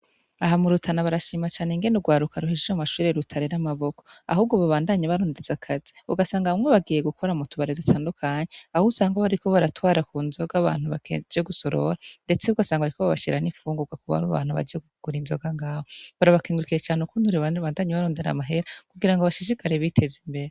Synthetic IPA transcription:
aɦamuɾutʰanaβaɾaʃiːmat͡ʃaːneŋɡe̞nuɡwaːɾukaɾuɦid͡ʒeamaʃuːɾeɾutʰaɾeɾamaβo̞ko̞̥a̰huːb̚ɡoβaβaːndaɲaβaɾo̞ːndezakʰaziṵɡasaːŋɡaβmŋweβaɡije̞ɡukʰoɾamutuβaɾezitʰaːndukʰaːɲeahousaːŋɡoβaɾiko̞βaɾatwaːɾakunzo̞ɡaβa̰ːn̥huβaked͡ʒeɡuso̞ɾo̞ɾande̞t͡seuɡasaːŋɡaaɾikoβaβa̰ʃiɾanifuːŋɡuɡwakuβa̰ɾuβa̰ːn̥huβa̰d͡ʒeeɡuɡ̥uɾinzoɡaŋɡaːhoβaɾaβakiːŋɡuɾukiɾet͡ʃaːneukunuɾiβaβaːndaɲeβaɾo̞ːndeɾa̰maɦe̞ɾakuɡiɾaŋɡoβaʃiʃ̬ikʰaɾeβitʰe̞zimbe̞ɾe

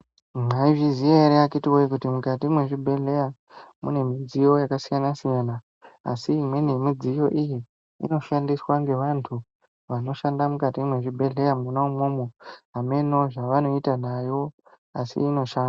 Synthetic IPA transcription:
maiʐizieeɾeakitiwojikutimukat̬imwe̞ʐibʱe̞ɮe̞ja | mṵne̞mid͡zijo̞jakasijanasijana̰ː | siːmwe̞ne̞mid͡zijo̞ʔijḭː | no̞ʃandiswaŋɡe̞ʋantʰu | ʋano̞ʃandamukatimwe̞ʐibʱe̞ɮe̞jamunaumoːmoame̞no̞ʐaʋano̞itanajo̞ | asḭːno̞ʃaːnda

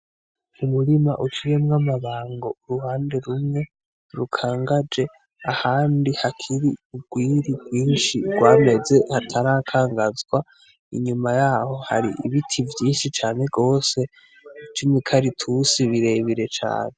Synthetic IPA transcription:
umuɾimaʔut͡ʃiɾemŋamaβaːŋɡo̞uɾuhaːnde̞ɾumŋe̞ | ɾukʰaːŋɡad͡ʒe̞ | ahaːndihakʰiɾiub̚ɡwiːɾibɡwiːnʃiɡ̥waːme̞ze̞hatʰaɾaːkʰaːŋɡazɡwa | ḭɲumajaːho̞ha̰ɾḭʔiβitʰivjiːnʃit͡ʃaːne̞ɡo̞ːse̞ | t͡ʃimikʰaɾitʰusiβiɾe̞βiɾe̞t͡ʃa̰ːne

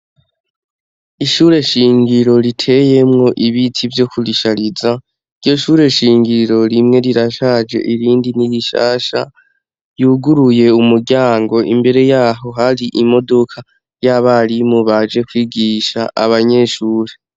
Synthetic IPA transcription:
iʃuɾe̞ʃiːŋɡiɾo̞ɾitʰe̞je̞mŋo̞ʔiβitʰivjo̞kʰuliʃaɾiza | iɾɟo̞ʃuːɾe̞ʃiːŋɡiɾo̞ɾimŋe̞ɾiɾaʃad͡ʒe̞̰ʔiɾiːndiniβiʃa̰ːʃa̰ | juːɡuɾuje̞umuɾɟaːŋɡo̞ʔḭmbe̞ɾe̞jaːɦo̞ɦaɾiʔimo̞do̞kʰa | jaβaɾimoβad͡ʒe̞kwiːɡiːʃaʔa̰βaɲe̞ʃuːɾe̞

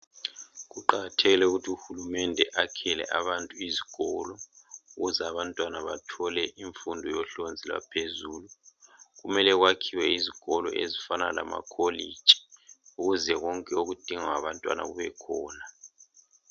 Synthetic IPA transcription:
ɣuǃaɣatʰeɣilɛuɣutʰiuxulumɛndʱɛʔakʰɛlɛ̰ʔa̰βantʼuiziɣ̥ʱɔlɔuɣuzɛaβantʼwanaβatʰɔlɛʔiɱfundʱɔjɔɬond͡zʱilwa̰pʰezuːluɣumɛlɛɣwakʰiwɛiziɣ̥ɔlɔ̰ʔḛzifanala̰ma̰kʰolid̥ʒ̥ʱi̥uɣuzɛɣɔŋkʼɛoɣud̥ʱiŋawaβantʼwa̰na̰ɣuβɛkʰɔːna

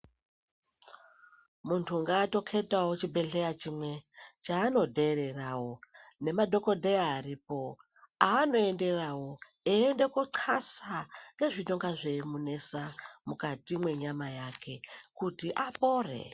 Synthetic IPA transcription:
muntʰuŋɡaːto̞kʰe̞tawot͡ʃibʱe̞ɮe̞jat͡ʃimwe̞t͡ʃaːno̞dʱe̞ɾe̞rawo̞ne̞madʱo̞ko̞dʱeaːripo̞ | aːno̞e̞nde̞rawo̞ | ende̞koǀʰasaŋɡe̞ʐiɗo̞ŋɡaʐe̞mune̞samukatimwe̞ɲamajakʰe̞kutiʔapo̞ːre̞̰

